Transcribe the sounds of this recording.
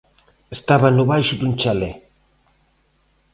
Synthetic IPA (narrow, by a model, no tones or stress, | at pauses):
est̪aβanuβajʃud̪unt͡ʃale